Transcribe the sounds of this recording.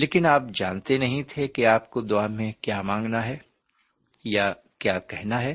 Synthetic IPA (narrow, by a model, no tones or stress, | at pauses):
leːkɪnaːp̚d͡ʒaːnt̪enɐɦĩt̪ʰekeaːpkod̪ʊaːmẽkjaːmãːŋɡnaɦɛː | ja | kjaːkɛɦnaɦɛː